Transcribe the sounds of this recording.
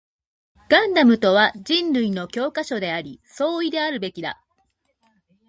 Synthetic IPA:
ɡ̥ãnd̪amɯ̟t̪o̞β̞ad͡ʑĩnɾɯ̟ino̞kʲo̞ːkaɕo̞d̪e̞aɾʲiso̞ːid̪e̞aɾɯ̟be̞kʲid̪a̰

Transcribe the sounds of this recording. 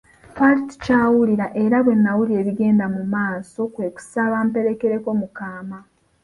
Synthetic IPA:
faɾti̥caːwuliɾaʔe̞ɾaβwe̞nːawulie̞ːβiɡe̞ːndamumaːso̞kwe̞ːku̥saβaːmpe̞ɾe̞ke̞ɾe̞ko̞mukaːma

